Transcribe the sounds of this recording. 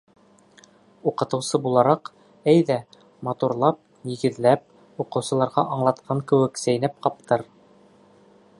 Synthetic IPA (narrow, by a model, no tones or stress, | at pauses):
uqɤ̆t̪ɤ̆wsɤbulˠɑɾɑq | æjðæ | mɑt̪uɾlˠɑp̚ | jĭɡɘ̆ðlæp̚ | uqɤ̆wsɤ̆lˠɑɾʁɑʔɑɴlˠɑt̪qʰɑŋkɘ̆wɘ̆ksæjnæp̚qɑp̚t̪ɤɾ